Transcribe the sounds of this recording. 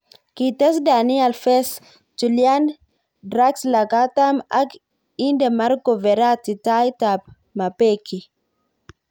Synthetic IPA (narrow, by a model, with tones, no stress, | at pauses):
kitɛ˦sda˨ni˦a˨lfɛ˦s | d͡ʒu˨ljan | dɾaksla˨ka˦ta˦ma˦k | i˦ndɛma˦ɾkɔ˨vɛ˨ɾa˦ti˨ta˦jtap̚ | mapɛki˨